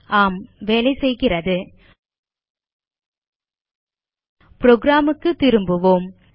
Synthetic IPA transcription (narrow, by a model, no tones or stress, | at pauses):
ʔaːmʋeːlɐɪsɛjɣɪrɐðɯ | pɾoːɡɾaːmɯkːɯt̪ːɪɾɯmbɯʋoːm